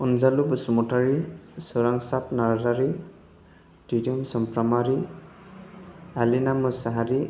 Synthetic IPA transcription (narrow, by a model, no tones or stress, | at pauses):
ɔnzalubsumɔtaɹisɔɾaŋsapnaɾzaɾi | tidiɔmsɔmpɾamaɾi | alinamɯsaɦaɾi